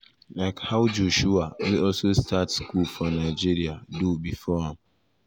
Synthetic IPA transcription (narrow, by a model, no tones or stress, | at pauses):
laɪkhaʊd͡ʒoʃuawiɔlsostatskulfɔnaɪd͡ʒiɾiadubifɔãm